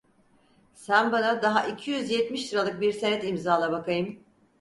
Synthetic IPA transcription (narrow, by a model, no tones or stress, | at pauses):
sænbanad̪aɦaʔicʰijyzjɛt̪miʃliɾalˠɯk̚biɾsenɛt̪imzaːlˠabakʰajɯm